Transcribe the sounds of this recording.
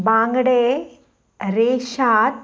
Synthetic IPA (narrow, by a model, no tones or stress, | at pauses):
baːŋɡɽe | ɾeːʃaːt̪̚